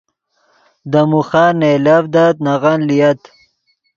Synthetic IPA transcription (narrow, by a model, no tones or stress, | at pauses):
d̪əmuxanelavd̪at̪naɣanlijat̪